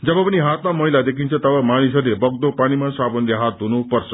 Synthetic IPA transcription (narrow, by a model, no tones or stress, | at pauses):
d͡zʌbʌpʌniɦat̪mamʌɦijlad̪ekʰint͡sʰʌt̪ʌbamaɽ̃isʌlebʌɡ̚d̪opaɽ̃imasabənd̪eɦat̪̚ɦunupʌrt͡sʰʌ̥